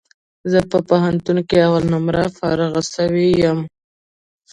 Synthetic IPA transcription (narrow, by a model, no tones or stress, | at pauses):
zəpəpaɦant̪unkeawalnʊmɾafɑɾaɣasəwejam